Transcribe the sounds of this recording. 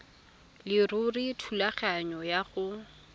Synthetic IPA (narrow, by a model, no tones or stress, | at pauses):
lɪrʊritʰulaχaɲɔjaɣʊ